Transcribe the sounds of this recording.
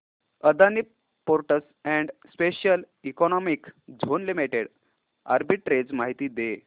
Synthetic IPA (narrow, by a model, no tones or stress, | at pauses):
əd̪anip | poɾʈəs | ɛ̃ɳɖspeɕjəl | ikɔnɔmikd͡zʱonlimiʈeɽ | a̰ɾbiʈɾed͡zmaɦit̪iːd̪e